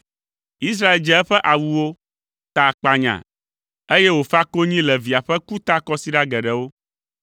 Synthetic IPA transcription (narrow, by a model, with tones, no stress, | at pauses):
i˦s̬ɾa˦e˨ld͡ʒɛ˦ɛ˦ɸɛ˦ʔa˨wu˨wo˦ | t̪a˨k͡pa˨ɲã̰˨ | e˦jɛ˦wo˨fa˦ko˦ɲĩ˦lɛ˨vi˨a˨ɸɛ˦ku˦t̪a˦kɔ˦si˦ɖa˦ɡɛ˨ɖɛ˨wo˦